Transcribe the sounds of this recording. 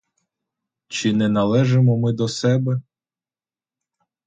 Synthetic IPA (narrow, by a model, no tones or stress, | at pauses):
t͡ʃɪnɛnɐlˠɛʒemɔmɪd̪ɔsɛbɛ